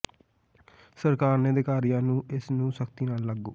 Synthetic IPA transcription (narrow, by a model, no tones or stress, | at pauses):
səɾkaːɾneːd̪eːkaːɾijãːnũːɪsnũːsəkt̪iːnaːlːəɡːo̰ː